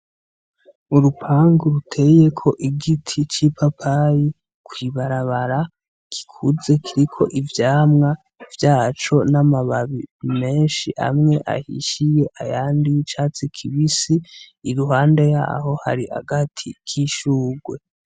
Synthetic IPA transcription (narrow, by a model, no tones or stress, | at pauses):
uɾupʰaːŋɡuɾutʰe̞je̞kʰo̞ʔiɡitʰit͡ʃipʰapʰaji | kwiːβaɾaβaɾa | ki̥kʰuze̞kʰiɾikʰo̞ʔivjaːmŋa | v̥jaːt͡ʃo̞namaβaβime̞ːnʃiʔa̰mŋe̞ʔa̰hḭʃije̞ʔajaːndit͡ʃaːt͡sikʰiβisiː | ɾuɦaːnde̞ja̰ːho̞ha̰ɾiha̰ɡatʰikʰiʃuːɡwe̞